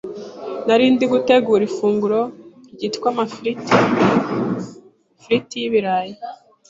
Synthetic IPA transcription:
naɾiːndiɡute̞ɡuːɾifuːŋɡuɾo̞ | ɟitkwamait | fɾitijiβiɾaːje

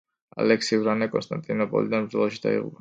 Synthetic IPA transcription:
a̰lɛksiuɾanɛkʼɔnst̪ant̪ʼinɔpʼɔ̰lid̪ɛnpɾilˠɔʃit̪a̰ḭṵb

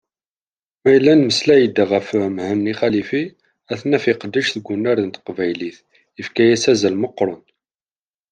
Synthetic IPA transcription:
mæjəlːænməslæjəd̪ːaʁəfmhəmniχælifi | æθnæfɪqəd̪ːəʃθəɡʷːʊnːæɾənt̪qvæjliθ | jəfkæjæsæzælməqːɾˤʊn

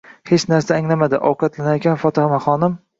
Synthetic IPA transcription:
het͡ʃnaɾsaːŋlamad̪ɪʔɒwqʰɑt̪lanajakʲʰanfɒt̪ʰɪhamaχɒnɪm

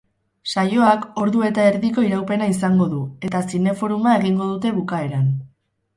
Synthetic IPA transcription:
sajo̞ako̞ɾðue̞t̪ae̞ɾðiko̞iɾawpe̞naisaŋɡo̞ðue̞t̪asine̞fo̞ɾumae̞ɣiŋɡo̞ðut̪e̞βukae̞ɾan

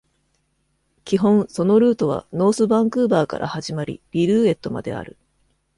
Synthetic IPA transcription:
kʲiɦõ̞ɰ̃so̞no̞ɾɯːt̪o̞β̞a̰no̞ːsɨbãŋkɯːbaːka̰ɾʔa̰haʑimaɾʲḭbʲiɾɯ̟ːe̞t̪ːo̞ma̰d̪e̞̰a̰ɾɯ̟

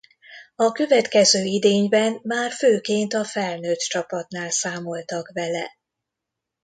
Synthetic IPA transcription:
ɒkø̞vɛt̪kɛzøːid̪eːɲbɛnmaːrføːkeːnt̪ɒfɛlnøːt̪t͡ʃɒpɒt̪naːlsaːmo̞lt̪ɒkʋɛlɛ̰

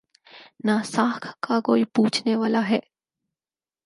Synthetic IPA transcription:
nasaːkʰkakoːipuːt͡ʃʰneʋaːlaɦɛː

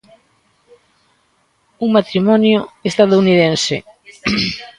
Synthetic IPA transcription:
uŋmat̪ɾimɔnjoest̪aðouniðensɪ̰

